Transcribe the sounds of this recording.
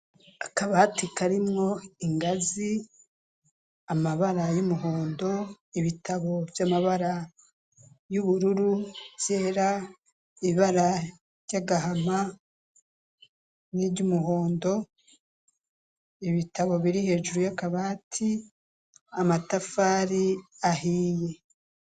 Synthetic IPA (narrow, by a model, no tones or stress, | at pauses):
akaβaːtikaɾimŋo̞iŋɡazi | amaβaɾajumuɦo̞ːndo̞ | iβitaβo̞v̥jamaβaɾa | juβuɾuɾuv̥j̥e̞ːɾa | iβaɾa | ɾjaɡaɦama | niːβɟumuɦo̞ːndo̞ | iβitaβo̞βiɾihe̞ːʒuɾujakaβaːtʰi | amatafaːɾiaɦiːje̞